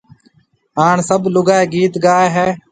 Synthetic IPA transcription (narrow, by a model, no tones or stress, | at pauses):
ɦaːɳsəblʊɡaːeːɡiːt̪ɡaːeːɦɛː